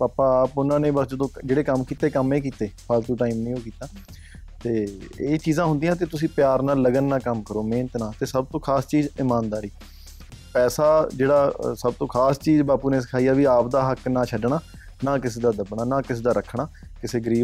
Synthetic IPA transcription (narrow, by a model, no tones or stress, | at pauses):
paːpaːpʊnãːnẽːbəsd͡ʒəd̪õːd͡ʒeːɽeːkəmkiːt̪eːkəmeːk̬iːt̪eːpʰaːlt̪uːʈaːiːmnĩːoːkiːt̪aː | t̪eːeːt͡ʃiːzãːɦʊ̃nd̪iːãːt̪̬eːt̪ʊsĩːpjaːɾnaːlːəɡənːãːkəmkəɾoːmẽːnət̪nãːt̪eːsəb̚t̪õːkʰaːst͡ʃiːzɪmaːnd̪aːɾiː | pɛːsaːd͡ʒeːɽaːsəb̚t̪õːkʰaːst͡ʃiːzbaːpuːnẽːs̬ɪ̥kʰaːijaːʋiːaːp̚d̪aːɦəknãːt͡ʃʰəɖɳaː | nãːkɪseːd̪aːd̪əbɳaːnaːkɪseːd̪aːɾəkʰɽaː | kɪseːɡəɾiː